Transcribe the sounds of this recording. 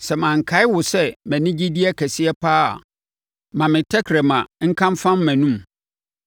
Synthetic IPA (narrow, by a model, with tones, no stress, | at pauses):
sɛ˨mã˨ŋ̩˨kʰa˨ɪ˦wʊ˨sɛ˦mæ̃˨nɪ̃˦d͡ʑi˦di˦ɛ˦kʰæ˨sɪ˦ɛ˦pʰaː˦a̰˨ | mã˨mɪ̃˨tʰɛ˦kʰɾɛ˨mã˨ŋ̩˦kʰã˦mfã˦mːæ̃˨nũ˦m